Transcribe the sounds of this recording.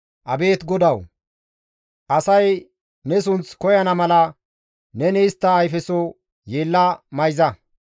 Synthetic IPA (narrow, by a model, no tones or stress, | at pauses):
ʔɐbe̞ːt̪ɡɔd̪ɐw | ʔɐsɐj | nɛs̬ʊnt͡skɔjɐnɐmɐlɐ | nɛnɛɪst̪ːɐːjfɛsɔ | je̞ːlːɐmɐjzɐ